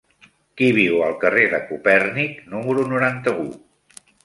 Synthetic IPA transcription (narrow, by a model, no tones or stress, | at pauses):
kiβ̞iwəlˠkəreðəkupɛrniknuməɾunuɾant̪əu